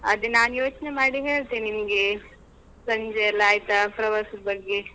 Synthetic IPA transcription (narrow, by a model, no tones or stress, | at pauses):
ɐd̪inaːnjoːt͡ʃnemaːɽiŋɡɐɭt̪enimɐɡe | sɐɲd͡ʒɐjɐlaːjt̪apɾɐʋɐsubɐɡːe